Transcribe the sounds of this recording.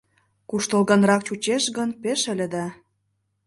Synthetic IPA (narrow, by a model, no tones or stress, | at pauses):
kuʃt̪əlˠɣɑnrɑkt͡ɕut͡ɕeʃɣənpeʃə̆lʲĕd̪ɑ